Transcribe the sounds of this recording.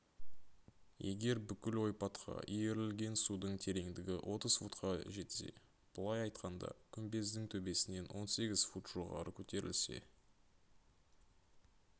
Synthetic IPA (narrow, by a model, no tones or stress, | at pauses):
je̞ɡʲe̞ɾbʏkʲɪlwo̞jpɑt̪qʰɑ̰ʔije̞ɾɪlɡʲe̞nsud̪əɴt̪ʰe̞ɾe̞ŋd̪ɪɡʲɪwʔo̞t̪əz̥fut̪qʰɑʒe̞t̪se̞̰ | b̥ʊlˠɑjɑjt̪qɑnd̪ɑ̰kʲʰʏmbe̞zd̪ɪŋt̪ʰɵbe̞sɪne̞nwo̞nse̞ɡʲɪz̥fut̪ʒ̥oʁɑ̰ɾəkʲʰɵt̪e̞ɾɪ̰lse̞̰